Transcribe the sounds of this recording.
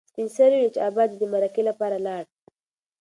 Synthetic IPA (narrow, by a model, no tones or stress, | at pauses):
spinsaɾiit͡ʃɑbɑd̪id̪əmaɾakelapɑɾalɑɽ